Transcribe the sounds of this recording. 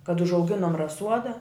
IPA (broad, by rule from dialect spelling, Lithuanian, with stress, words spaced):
kɐt ʊʒɐʊˈɡʲɪnoːm rɐˈsuɔdɐ